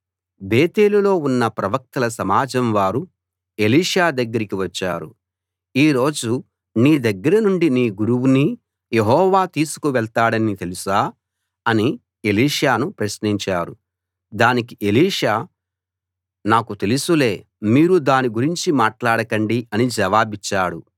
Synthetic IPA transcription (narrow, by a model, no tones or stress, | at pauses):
beːt̪eːlulo̞ːunːɐpɾɐʋɐk̚t̪ɐlɐsɐmaːd͡ʒɐmʋaːɾu | e̞liːʂaːd̪ɐɡːɐɾikiʋɐt͡ʃːa̰ːɾṵ | iːɾo̞ːd͡ʒu | niːd̪ɐɡːɐɾɐnuɳɖiniːɡuɾuwuni | je̞ɦɔːʋaːt̪iːsu̥kuʋɛɭt̪aːɽɐnit̪e̞lusaː | ɐni | eliːʂaːnupɾɐʃniɲt͡ʃaːɾu | d̪aːnikiʔe̞liːʂaː | naːkut̪e̞lusule̞ː | miːɾud̪aːniɡuɾiɲt͡ʃimaːʈlaːɽɐkɐɳɖiʔɐnid͡ʒɐʋaːbit͡ʃːaːɽu